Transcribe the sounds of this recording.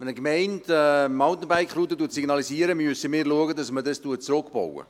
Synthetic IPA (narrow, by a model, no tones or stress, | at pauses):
ɛnəkmɛɪntɛmɑʊt̪ən̩baɪkχɾuːt̪ːətuətsiɡnɑlisiəɾəmysəmɪɾluəɡədɑsmədəstuət̚t͡sɾʊkb̥o̰wə̰